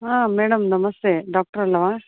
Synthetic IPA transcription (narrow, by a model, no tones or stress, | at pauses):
aːmeːɽɐmd̪ɐmɐseɖaːk̚ʈəɾɐlːɐʋãː